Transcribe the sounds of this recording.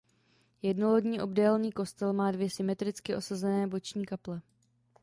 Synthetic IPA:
jɛdnolodɲiːʔo̞bdɛːlniːko̞st̪ɛlmaːdvjɛsɪmɛt̪ɾɪt͡skɪʔo̞sazɛnɛːbo̞t͡ʃɲiːkaplɛ

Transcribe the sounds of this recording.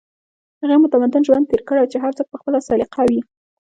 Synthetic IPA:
haɣemʊt̪amad̪ʊnʒwand̪̚t̪eɾkəɽawt͡ʃeɦaɾt͡sək̚pəxpəlasɑlɪqʰɑwi

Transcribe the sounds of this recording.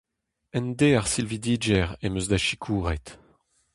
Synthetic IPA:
ɛnd̪eaʁsilvid̪iːd͡ʒɛʁemøzd̪aʃikʰuːʁɛt̪

